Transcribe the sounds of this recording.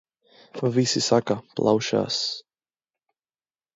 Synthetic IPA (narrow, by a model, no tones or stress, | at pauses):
favisisakaplʔa̰wʃa̰s